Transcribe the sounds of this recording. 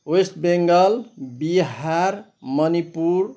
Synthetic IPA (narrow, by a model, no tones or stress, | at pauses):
west̪beŋɡʌlbiɦaɾ | mʌnipuɾ